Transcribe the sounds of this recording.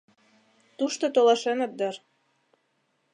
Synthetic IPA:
t̪uʃt̪ot̪olɑʃenɤ̆p̚d̪ɤɾ

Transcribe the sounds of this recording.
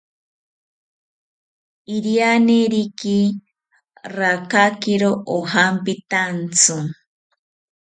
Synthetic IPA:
iɾianeɾiki | ɾakakiɾoʔohampit̪ant͡sɨ

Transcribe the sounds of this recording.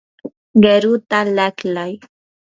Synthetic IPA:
ɡeɾut̪alaklaj

